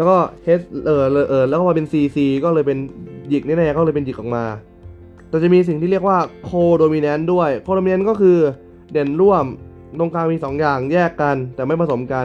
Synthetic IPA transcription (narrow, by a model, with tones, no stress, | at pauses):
lɛː˦˥wkɔː˥˩heː˦˥sʔɤː˨˩lɤː˧˩ʔɤː˨˩lːwkɔː˥˩ma˧e˧nsiː˧siː˧kɔː˥˩lɤː˧jpe˧nji˨˩k̚na˥˩na˥˩˨a˨˩kɔː˥˩lɤː˧jpe˧nji˨˩k̚ʔɔː˨˩k̚maː˧ | t̪ɛː˨˩t͡ɕa˨˩ʔmiː˧s̬i˨˩ŋt̪iː˥˩ɾi˥˩ək̚waː˥˩kʰoː˧doː˧mi˧nɛ˦˥ndu˥˩əjkʰoː˧ɾo˧mi˧nɛ˦˥nkɔː˥˩kʰɯː˧ | de˨˩nɾu˥˩əm | lo˧ŋkʰaː˧ŋmiː˧sɔː˩˦ŋjaː˨˩ŋjɛː˥˩kːa˧nt̪ɛː˨˩ma˥˩jpʰa˧so˩˦mka˧